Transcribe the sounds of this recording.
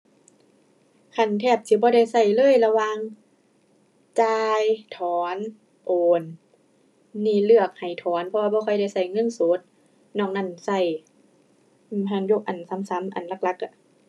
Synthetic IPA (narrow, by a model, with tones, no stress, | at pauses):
kʰa˧˩˨nt̪ʰɛː˧˩p̚t̪ʰiː˧˦bɔː˧˦ɾa˧˩jsa˧˩jlɤː˧˥˨jla˧waː˧ŋ | t͡ɕaː˧jt̪ʰɔː˨˦n | ʔoː˨˩n | iː˧˩lɯ˧˩ək̚ha˨˩jt̪ʰɔː˨˦npʰɔ˧waː˧bɔː˧kʰɔ˧˩˨jda˧˩jsa˧˩jŋɤ˧˥˨nsoː˨˦t̪̚ | nɔː˧˩ŋna˧˥˩nsa˧˩j | ɯ˧˩mɦa˧˩ŋjo˧˦k̚ʔa˨˩nsa˨˦msa˨˦mʔa̰˨˩nla˧˥k̚la˧˥k̚ʔa˧˩